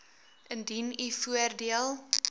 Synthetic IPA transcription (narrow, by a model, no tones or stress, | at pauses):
ʔəndinifuərdiəlˠ